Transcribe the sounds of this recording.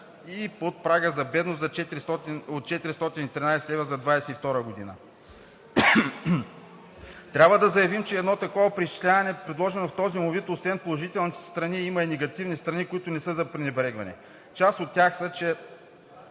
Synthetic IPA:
ipot̪̚pɾaɡəzɐbɛd̪nosɐt͡ʃɛt̪iɾist̪ɔt̪inot̪̚t͡ʃɛt̪iɾist̪ɔt̪init̪ɾʲinajsɛlɛvəzɐd̪vajsɛift̪ɔɾəɡod̪inə | t̪ɾʲabvəd̪ɐzɐjɐvimt͡ʃɛːd̪nɔt̪ɐkɔvɐpɾiʃt͡ʃi̥slʲavɐnɛpɾɛd̪lˠɔʒɛnoft̪ɔzimovɛt̪osvɛnpolˠoʒit̪ɛlˠnit̪ɛ̥st̪ɾɐniimɐinɛɡɐt̪ivnist̪ɾɐnikʊit̪ʊnɛsɤzɐpɾinɛbɾɛɡvɐnɛ̰ | t͡ʃast̪ot̪ːʲjaxsət͡ʃɛ

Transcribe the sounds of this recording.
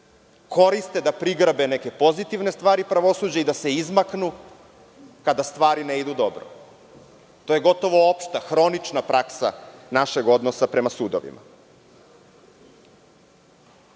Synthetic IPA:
ko̞ɾist̪e̞d̪apɾiɡr̩bene̞ke̞po̞zit̪iʋnest̪ʋaːɾipɾaʋo̞suːd͡ʑaid̪ase̞izmaknu | kad̪ast̪ʋaːɾineid̪ud̪o̞bɾo̰ | t̪o̞ːje̞ɡo̞t̪o̞ʋoopʃt̪axɾo̞nit͡ʃnapɾaksa̰naʃe̞ɡo̞d̪nosapɾe̞masuːd̪oʋḭma̰

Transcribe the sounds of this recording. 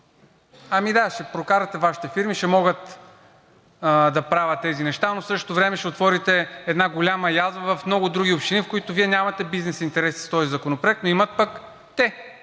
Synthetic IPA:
ɐmid̪aʃɛpɾokaɾɐt̪ɛvaʃi̥t̪ɛfiɾmiʃɛmɔɡət̪ | d̪ɐpɾavɐt̪ːɛzinɛʃt̪anosɤʃt̪o̥t̪ovɾɛmɛʃɛot̪vɔɾit̪ɛɛd̪naɡolʲamɐjazbəvɐfmnɔɡʊd̪ɾuɡʲiopʃt̪inifkoit̪oviɛnʲamɐt̪ɛbiznɛsint̪ɛɾɛsi̥st̪ɔzizɐkonopɾoɛk̚t̪noimɐt̪̚pək | t̪ɛ

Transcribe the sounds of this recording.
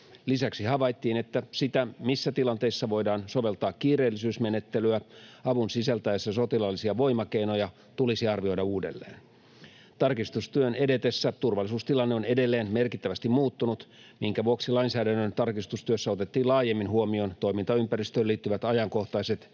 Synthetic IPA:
lisæksihɑʋɑjt̪ːiːnet̪ːæsit̪æmisːæt̪ilɑnt̪e̞isːɑʋo̞jdɑːnsoʋe̞lt̪ɑːkkːiːreːlːisyːsmenet̪ːelyæɑʋunsisælt̪æesːæsot̪ilɑlːisiɑʋo̞jmɑkejno̞jɑ | t̪ulisiɑrʋio̞jdɑuːde̞̰lːḛːn | t̪ɑrkist̪ust̪yøne̞det̪esːæt̪urʋɑlːˑisuːst̪ilɑnːeo̞nedelːeːnmerkit̪ːæʋæst̪immuːt̪ːunut̪ | miŋkæʋuoksilɑinsæːdænːønt̪ɑrkist̪ust̪yøsːæo̞t̪et̪ːiːlɑːjemːinhuomio̞nt̪o̞imint̪ɑympærist̪øːliːt̪ːyʋæt̪ɑjɑŋko̞ht̪ɑiset̪

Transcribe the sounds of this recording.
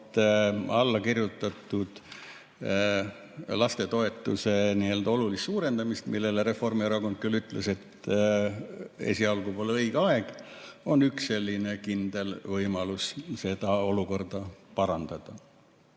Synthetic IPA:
t̪ːɑlːɑkirjut̪ːˑɑt̪ːˑud̪̥ | lɑst̪e̞t̪o̞e̞t̪ːˑṵse̞niːe̞ld̪ɑo̞lulist̪suːɾe̞nd̪̥ɑmist̪milːe̞leɾe̞fo̞rmiɑɾɑkond̪̚kylːyt̪ˑlese̞t̪ː | ḛsiɑlɡupolɤjɡ̥eɑe̞ɡ̥o̞nyksːe̞lʲːine̞kind̪̥e̞lvɤjmɑlusse̞d̪ɑo̞luko̞rd̪̥ɑpɑɾɑnd̪̥ɑd̪̥ɑ

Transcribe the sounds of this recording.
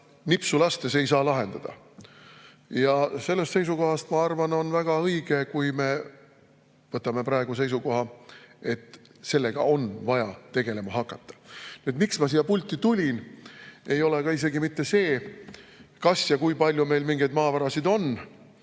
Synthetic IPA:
nipsulɑst̪e̞se̞jsɑːlɑɦe̞nd̪̥ɑd̪̥ɑ̰ | jɑse̞lːest̪se̞jsuko̞ɦɑst̪mɑɑrvɑno̞nvæɡ̥ɑɤjɡ̥e̞kujme̞ | vɤt̪ːˑɑme̞pɾɑe̞ɡ̥use̞jsuko̞ɦɑe̞t̪ː | se̞lːe̞ɡ̥ɑ̰o̞nvɑjɑt̪e̞ɡe̞le̞mɑɦɑkːˑɑt̪ːɑ̥nyet̪miksmɑs̬ijɑpulʲt̪ːˑit̪ulʲin | e̞jo̞leɡ̥ɑise̞ɡimit̪ːe̞se̞ː | kɑsjɑkujpɑlʲjume̞jlmiŋɡ̥ejd̪mɑːvɑɾɑsid̪o̞n

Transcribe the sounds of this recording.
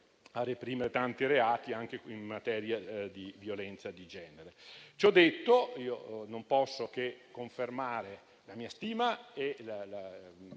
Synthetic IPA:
arːepɾiːmeɾet̪ant̪iɾeaːt̪iaŋk̟eimːat̪ɛːɾjad̪ivjolɛnt̪sad̪id͡ʒɛːneɾet͡ʃɔd̪ːet̪ːoiːonompɔsːok̟ekːoɱfermaːɾe | lamiːast̪iːmaelala

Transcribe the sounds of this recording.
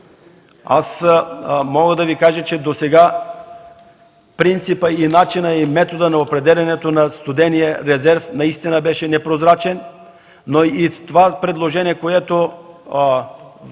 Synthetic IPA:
a̰s | mɔɡəd̪ɐvikaʒət͡ʃɛd̪osɛɡa | pɾint̪sipəinat͡ʃinəimɛt̪od̪ənɐopɾɛd̪ɛlʲɐnɛt̪onɐst̪ʊd̪ɛniɛɾɛzɛɾfnɐist̪inəbɛʃɛnɛpɾozɾat͡ʃɛn | noit̪ovapɾɛd̪lˠoʒɛniɛkoɛt̪o

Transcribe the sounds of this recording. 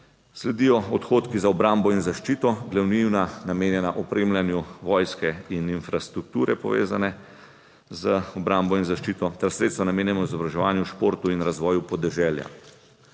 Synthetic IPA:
slɛd̪iːjɔɔt̪xoːt̪kizaɔbɾambɔinzaʃt͡ʃiːt̪ɔɡlɛwniwnanameːnjɛnaʔɔpɾeːmljanjuʋɔːjskɛininfɾast̪ɾuk̚t̪uːɾɛpɔ̰ʋḛːzanɛ | zəɔbɾambɔinzaʃt͡ʃiːt̪ɔt̪ɛɾsɾet̪st̪ʋanameːnjɛmɔizɔbɾaʒɛʋaːnjuʃpoːɾt̪uinɾazʋɔːjupɔd̪ɛʒɛːlja̰

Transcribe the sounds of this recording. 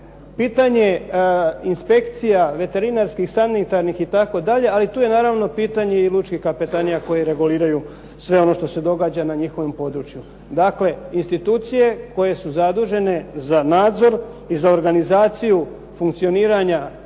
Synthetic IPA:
piːt̪aɲe̞ | inspe̞kt̪sijaʋe̞t̪e̞ɾinaɾskixsanit̪aɾnixit̪ako̞d̪aʎe̞alit̪uːje̞naːɾaʋno̞piːt̪aɲe̞ilˠut͡ʃkixkapet̪anijako̞jeɾe̞ɡuliːɾaju | sʋe̞o̞no̞ʃt̪o̞se̞d̪o̞ɡaːd͡ʑanaɲixo̞ʋompo̞d̪ɾut͡ʃju | d̪akle̞inst̪it̪uːt̪sije̞ko̞je̞suzad̪uʒe̞ne̞zanaːd̪zo̞ɾ | izao̞ɾɡanizaːt̪siju | fuŋkt̪sio̞niːɾaɲa

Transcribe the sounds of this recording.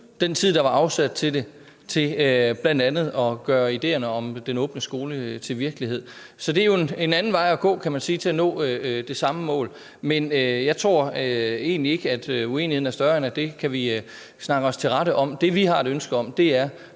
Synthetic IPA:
d̥ent͡sʰið̞̰ˠd̥ɑ̈ʋɑ̈ɑ̈ʊsæd̥̚t͡sʰe̝d̥e̝ | t͡sʰe̝øb̥læn̰d̥ænð̩ˠɒ̽ɡ̥ɶːɐid̥e̝̰ːɐnəɒ̽md̥enɔ̽ːb̥nəsɡ̥o̝ːlət͡sʰe̝lʋiɐɡ̥əliɦe̝ð̞̰ˠ | sɒ̽d̥e̝æɐjo̝ene̝nænn̩ʋɑ̈ɪ̰ɒɡ̥ɔ̰̽ːkʰæmænsiːt͡sʰe̝lænɔ̰̽ːød̥e̝sɑ̈məmɔ̰̽ːl | menøjɑ̈ɪt͡sʰʁo̝ɐ̰øe̝̰ːnlie̝ɡ̥əæd̥ue̝ːnihðˠnæɐsd̥ɶɐenæd̥e̝kʰæʋi | snɑ̈ɡ̥əɒ̽st͡sʰe̝lʁɑ̈ɾəʔɒ̽md̥e̝ʋiɦɑ̈e̝ɾ̥ønsɡ̥əɒ̽m̰d̥e̝æɐ

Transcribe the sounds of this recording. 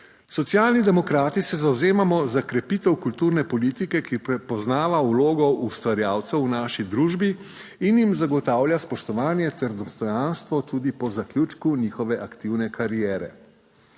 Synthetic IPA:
sɔt̪sjaːlnid̪ɛmɔkɾaːt̪isɛzawzeːmamɔzakɾɛpiːt̪ɛwkult̪uːɾnɛpɔlit̪ikɛkipɾɛpɔznaːʋauloːɡɔust̪ʋaɾjaːwt̪sɛwnaːʃid̪ɾuːʒbiinjimzaɡɔt̪aːwljaspɔʃt̪ɔʋaːnjɛt̪ɛɾd̪ɔst̪ɔjanst̪ʋɔt̪ud̪ipɔzaklʲjuːt͡ʃkuniːxɔʋɛʔakt̪iwnɛkʰaɾijɛːɾɛ̰

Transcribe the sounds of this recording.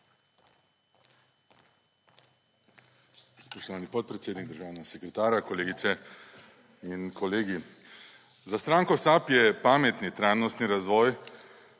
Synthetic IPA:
spɔʃt̪ɔʋaːnipɔt̪̚pɾɛt̪seːd̪niɡd̪əɾʒaːwnɛɡasɛkɾɛt̪aːɾjakɔleːɡit̪sɛ | inkʰɔleːɡi | zast̪ɾaːŋkɔsapjɛpaːmɛt̪nit̪ɾajnɔst̪niɾazʋɔːj

